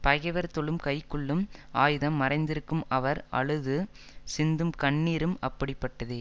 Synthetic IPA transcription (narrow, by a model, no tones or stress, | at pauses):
pɐɣɐʋɐɾt̪ɔɭɯmkɐɪkːɯɭːɯmaːjɯðɐmːɐɾɐɪnd̪ɪɾɯkːɯmɐʋɐɾʔɐ̰ɻɯðɯ | sɪnd̪ɯmkɐɳːiːɾɯmɐpːɐɽɪpːɐʈːɐðɯ